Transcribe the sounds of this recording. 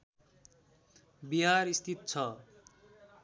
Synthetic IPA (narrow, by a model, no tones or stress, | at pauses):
biɦaɾist̪ʰit̪̚t͡sʰʌ